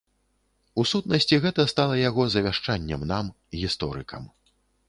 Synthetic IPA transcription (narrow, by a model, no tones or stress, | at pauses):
usut̪nɐsʲt͡sʲiɣɛt̪ɐst̪alˠɐjaɣɔzɐvʲaʂt͡ʂanʲːɛmnam | ɣʲist̪ɔɾɨkʰɐm